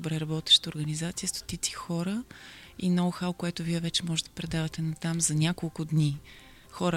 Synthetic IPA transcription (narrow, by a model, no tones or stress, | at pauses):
bɾɛɾɐbɔt̪ɛ̥ʃt̪əoɾɡənizat̪sijəst̪o̥t̪it̪si̥xɔɾə | inɔɡʊxawkoɛt̪ʊviɛvɛt͡ʃɛmɔʒɛt̪d̪ɐpɾɛd̪avɐt̪ɛnɐt̪amzɐnʲakolˠkʊd̪ni | xɔɾə